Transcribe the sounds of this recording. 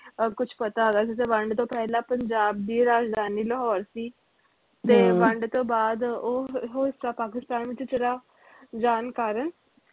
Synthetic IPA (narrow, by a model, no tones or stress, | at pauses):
kʊt͡ʃʰpət̪aɡaːsit̪eʋə̃ɳɖt̪õːpɛːɦlãpəɲd͡ʒaːb̚d̪iːɾaːd͡ʒd̪ʱaːniːləɦɔːɾsiː | t̪eːʋə̃ɳɖt̪õːbaːd̪oɦoɪstapaːk̬ɪst̪aːnʋɪt͡ʃt͡ʃeɾa | d͡ʒaːnkaːɾən